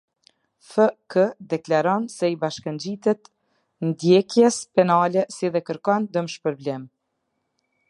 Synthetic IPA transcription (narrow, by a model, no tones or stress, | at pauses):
fəkəd̪ɛklaɾɔnsɛibaʃkənd͡ʑit̪ɛt̪ | nd̪jɛkjɛspɛnalɛsiðɛkəɾkɔnd̪əmʃpəɾblɛm